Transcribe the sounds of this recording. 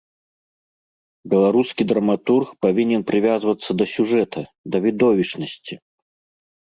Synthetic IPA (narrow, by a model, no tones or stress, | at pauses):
bʲɛlˠaɾuskʲid̪ɾɐmat̪urxpavʲinʲɛnpɾɨvʲazvɐt̪sːɐd̪ɐsʲuʐɛt̪ʰɐ | d̪ɐvʲid̪ɔvʲit͡ʂnɐsʲt͡sʲi